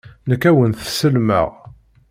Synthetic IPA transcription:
nəkːæwənθsəlmə̰ʁ

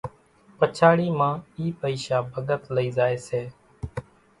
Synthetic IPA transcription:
pət͡ʃʰaːɽiːmãːiːpəiːʃaːbʱəɠət̪ləiːzaːeːseː

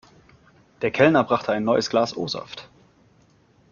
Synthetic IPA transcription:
d̥eːɐkʰɛlnɐbʁaχtʰəaɪnːɔʏəsɡ̥laːsʔo̰ːzɔ̰ft

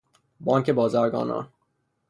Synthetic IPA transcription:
bɒːŋcʰebɒːzæɾɡɒ̰ːnɒ̰ː

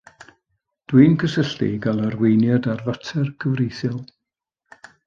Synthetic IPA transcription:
d̥wiːnkʰəsəɬtḭɡalˠərwejnjɔdarðətʰɛrkʰəvrejθɪlˠ

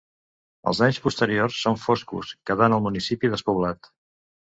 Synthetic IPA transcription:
ə̰lˠzaɲspust̪əɾiorsːoɱfoskṵskəðanəlˠmunisipiðəspuβlat̪

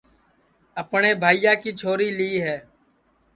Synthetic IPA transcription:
əpɳeːbʱaːijãːkiːt͡ʃʰoːɾiːliːɦɛː

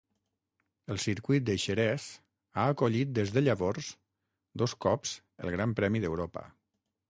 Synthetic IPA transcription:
əlˠsiɾkwuit̪̚d̪əʃəɾɛs | aəkoʎit̪̚d̪ezðəʎəβɔɾz | d̪oskɔpz̥ | ə̰lˠɣɾampɾɛmiðəwɾopə̰

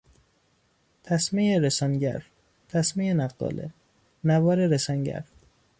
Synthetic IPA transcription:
t̪ʰæsmejeɾesɒːnɟæ̰ɾ | t̪ʰæsmejenæqd̪ɒ̰ːlḛ | nævɒːɾeɾesɒnɟæ̰ɾ

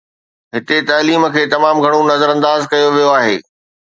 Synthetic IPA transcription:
ɦɪt̪et̪ɐːliːmə̆kʰeːt̪ɐmaːmɡʱɐɽ̃onɐzəɾɐ̃nd̪aːzkɐjoʋijoaːɦḛː

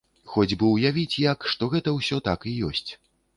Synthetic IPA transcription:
xɔd͡zʲbɨwjavʲit͡sʲjɐkʂt̪ɔɣɛt̪ɐwsʲɔt̪akijɔsʲt͡sʲ

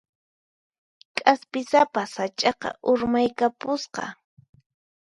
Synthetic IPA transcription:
kʼaspɪsapasat͡ʃʼɑqɑ̰ʔʊɾmajkapʊsqɑ̰

